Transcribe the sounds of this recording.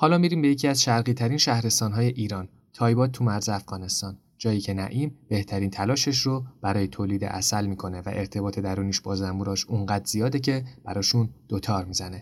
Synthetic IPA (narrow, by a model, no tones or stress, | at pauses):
hɒːlɒːmiɾiːmbejecʰiæzʃæɾɣiːt̪ʰæɾinʃæhɾe̞st̪ɒːnɦɒːje̞ʔiːɾɒːn | t̪ʰɒːjbɒːd̪̚t̪ʰumæɾzeæfɣ̥ɒːne̞st̪ɒːn | d͡ʒɒːjiːcʰe̞næʔiːmb̥e̞ht̪ʰæɾiːnt̪ʰælɒːʃeʃ̬ɾob̥æɾɒːje̞t̪ʰoːliːd̪ḛʔæ̰sælmiːkʰo̞ne̞væ̰ʔe̞ɾt̪ʰe̞bɒːt̪ʰe̞d̪æɾuːniːʃb̥ɒːzæmbuɾɒːʃuŋɢæːd̪ɾzijɒːd̪e̞cʰe̞b̥æɾɒːʃund̪̥ot̪ʰɒːɾmiːzæne̞